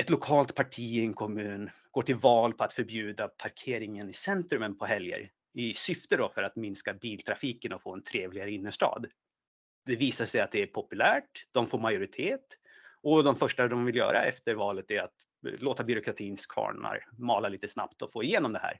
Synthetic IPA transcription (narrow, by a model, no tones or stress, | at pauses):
ɛt̪lʊkʰɑːlt̪pʰaʈʰiːɛŋkʰɔmʉ̟ːnɡoːʈʰɪlvɑːlpʰɔat̪fœɾbjʉ̟ːd̪apʰaɾkʰeːɾɪŋənɪsɛnt̪ɾɵmənpʰɔɦɛljə̰ɾ | ɪsʏft̪əd̪ɔfœɾat̪mɪnskabiːlt̪ʰɾafiːkənɔfoːɛnt̪ʰɾeːvlɪɡaɾəɪnːəʂʈɑ̰ːd̪ | d̪ɛviːsaʂɛjat̪̚d̪ɛæpʰɔpɵlæːʈd̪̥ɔmfoːɾmajʊɾɪt̪ʰeːt̪ | ɔd̪ɔmfœʂʈad̪ɔmvɪljœ̰ːɾa̰ɛ̰ft̪əɾvɑːlət̪æɾat̪ | loːt̪abʏɾʊkɾat̪ʰiːnskʰvɑ̰ːɳa̰ɾmɑːlaliːt̪əsna̰pt̪ɔfoːɪjeːnɔmd̪ɛhæ̰ːɾ